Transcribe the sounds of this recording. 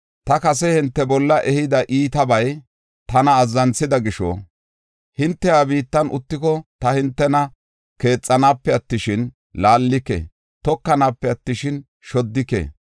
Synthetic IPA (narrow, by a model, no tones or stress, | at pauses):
t̪ɐkɐs̬ɛhɪnt̪ːɛbɔlːɐʔɛhɪd̪ɐʔiːt̪ɐbɐj | t̪ɐnɐːzːɐnsɪd̪ɐɡɪʃɔ̰ | hɪnt̪ːɛjaːbiːt̪ːɐnʊt̪ːɪkɔt̪ɐhɪnt̪ːɛnɐ | ke̞ːt͡sʼːɐnaːpːɛɐt̪ːɪʃɪn | laːlːɪkːɛ̰ | t̪ɔkːɐnaːpːɛɐt̪ːɪʃɪn | ʃɔd̪ːɪkːɛ̰